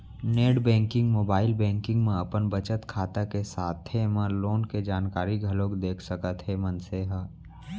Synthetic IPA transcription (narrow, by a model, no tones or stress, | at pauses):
neːɽbɛ̃ːŋkɪ̃ŋɡmoːbaːɪlbɛ̃ːŋkɪ̃ŋɡmẽɐpənbət͡ʃət̪kʰaːt̪akesaːt̪ʰemə̃loːnked͡ʒaːnkaːɾiɡʱɐlõːkd̪eːkʰsəkət̪ɦemənseɦə